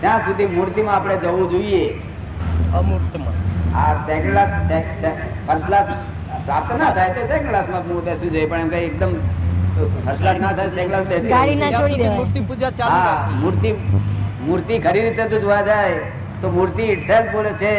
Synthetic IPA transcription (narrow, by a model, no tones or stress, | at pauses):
t̪jãːsʊd̪ʱimuɾt̪imãːpɽ̃ed͡ʒəʋũd͡ʒoie | a̰t̪ɛ̃ːklat̪et̪e | pʰəɾsla | pɾaːp̚t̪nat̪ʰaːet̪oseːklasmat̪mut̪esud͡ʒoepəɳɛmkaek̚d̪əm | pʰəɾslanat̪ʰaesɛ̃klasd̪esɡaɽinat͡ʃãoɽimuɾt̪ipud͡ʒat͡ʃaamuɾt̪imuɾt̪ikʰəɾiːd̪it̪et̪̬ũd͡ʒojad͡ʒaːe | t̪omuɾt̪iɪʈsel̚pbolet͡ʃʰe